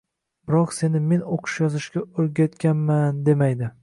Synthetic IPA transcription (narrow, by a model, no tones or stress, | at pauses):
b̥ɪɾɒqse̞nɪme̞noqʰɨ̥ʃjɒzɪʃkʲaoɾɡʲat̪kʲʰanmand̪e̞majd̪ɪ